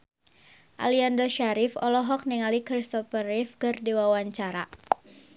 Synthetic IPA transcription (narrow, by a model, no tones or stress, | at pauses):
ʔa̰liandɔʃaɾɪfɔ̰lɔɦɔk̚niŋalikɾist̪ɔfərɪfkɨrdiwawaɲt͡ʃaɾa